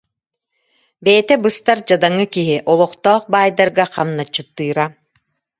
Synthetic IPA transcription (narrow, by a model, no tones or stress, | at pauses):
bɛːt̪ɛbɯst̪aɾd͡ʑad̪aŋːɯkiɦiʔɔlˠɔχt̪ɔːχbaːjd̪aɾɡaqamnat͡ɕːɯt̪ːɯːɾa